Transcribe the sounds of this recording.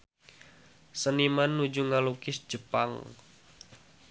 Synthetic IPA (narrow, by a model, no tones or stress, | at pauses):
sənimanːud͡ʒuŋalukɪsd͡ʒəpa̰ŋ